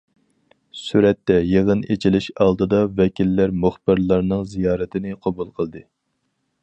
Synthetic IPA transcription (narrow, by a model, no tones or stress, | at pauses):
syɾɛt̪ːɛjeʁənet͡ʃʰilɪʃɑlˠd̪ɨd̪ɑvɛkʲilːæɾmuχbɨɾlˠɑɾnɨŋzijɑːɾɨt̪ʰɪnɪqʰɑbulˠqʰəlˠd̪ɨ